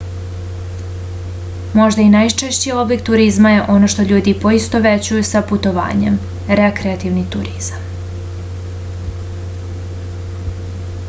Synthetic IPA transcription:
mo̞ʒd̪ainajt͡ʂeʃt͡ɕio̞blʲekt̪ːuɾizmaje̞ʔo̞no̞ʃt̪o̞ʎuːd̪ipo̞ist̪o̞ʋet͡ɕujusaput̪o̞ʋa̰ːɲe̞̰m | ɾekɾeat̪iʋnit̪uɾiz̥am

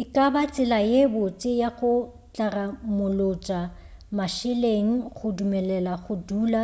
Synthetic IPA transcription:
ɪkʼabat͡sʼɪlajebʊt͡sʼɪjaɣʊ | t͡ɬʼaramʊlot͡ʃʼa | maʃɪleŋ̩χʊdumɛlɛlaχʊduːla

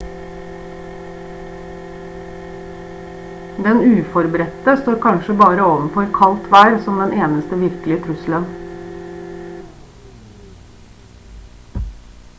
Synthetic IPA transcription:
d̪ɛnʉːfɔɾbəɾɛt̪əst̪oːɾkʰɑnʃəbɑːɾəoːʋən̩fɔɾkʰɑlt̪ʰʋæːɾsɔmd̪ɛnʔeːnəst̪əʋɪɾklɪət̪ʰɾʉslən

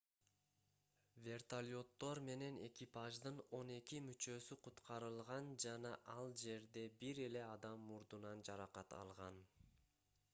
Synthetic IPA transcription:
vʲe̞rt̪alʲo̞t̪ːo̞ɾme̞ne̞ne̞̰kʲipaʒd̪ɯno̞ne̞kimyt͡ʃø̞syqʰut̪qɑɾɯlˠʁɑnd͡ʒɑnɑʔɑlˠd͡ʒe̞ɾd̪e̞biɾe̞le̞ɑd̪ɑmːuɾd̪unɑnd͡ʒɑɾɑqɑt̪ɑ̰lˠʁɑn

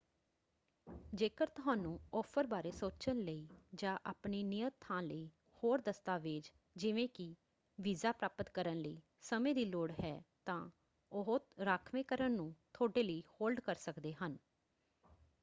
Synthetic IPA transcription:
d͡ʒeːkəɾt̪ʊɦaːnũːɔːpʰəɾbaːɾeːsoːt͡ʃənləiːd͡ʒãːʔa̰ːpniːnɪjət̪ʰːãːləiː | hoːɾd̪əst̪aːʋɪːd͡ʒ | d͡ʒɪʋẽːkɪ | ʋizaːpɾaːpət̪kəɾənləiː | səmẽːd̪iːloːɽɦɛːt̪ãː | ʊɦʊt̪ɾaːkʰʋẽːkəɾənːũːt̪ʰoːɖeːləiːhoːlɖkəɾsəkd̪eːɦən

